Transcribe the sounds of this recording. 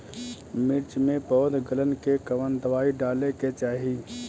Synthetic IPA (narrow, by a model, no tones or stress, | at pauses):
mɪɾt͡ʃmẽpəɦʊd̪ɡələnkekəʋənd̪əʋaːiɖaːleket͡ʃaːɦiː